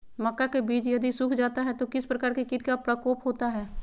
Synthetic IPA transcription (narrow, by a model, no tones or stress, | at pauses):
mɐkːakebiːt͡ʃjɐd̪isʊkʰd͡ʒaːt̪aɦɛt̪okɪspɾɐkaːɾkekɪt̪kapɾɐkoːpɦoːt̪aɦɛː